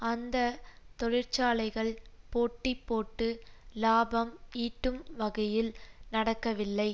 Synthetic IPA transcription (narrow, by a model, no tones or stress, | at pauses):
ɐnd̪ɐt̪ɔɻɪɾt͡ʃaːlɐɪɣɐɭpoːʈːɪpːoːʈːɯlaːbɐmiːʈːɯmʋɐɣɐjɪlnɐɽɐkːɐʋɪlːɐɪ